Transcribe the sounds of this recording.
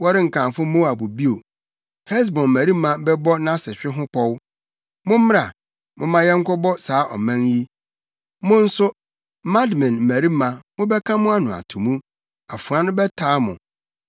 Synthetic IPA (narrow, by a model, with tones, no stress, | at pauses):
wɔ˦ɾɪ˦ŋ̩˨kʰã˨mfʊ˦mo˦a˨bu˨bi˦o˨ | hɛ˦s̬bɔ̃˨m̩˨mæ˨ɾi˦mã˦bɛ˦bɔ˦nã˦sɪ˨ɕᶣɪ˦ɦʊ̃˦kʰɔ˦w | mʊ̃˦mɪ̃˦ɾa˨ | mʊ̃˦mã˦jɛ˦ŋ̩˦kʷɔ˦bɔ˦saː˨˦ʔɔ̰˨mã˦ŋji˦ | mʊ̃˦n̩˦sʊ˦ | mã˦dmɛ̃˨nm̩˨mæ˨ɾi˦mã˨mʊ̃˦bɛ˦kʰã˦mʊ̃˦a˦nʊ̃˨a̰˨tʰũ˨mũ˦ | a˨fu˨a˦nʊ̃˦bɛ˦tʰaː˨˦mʊ̰̃˨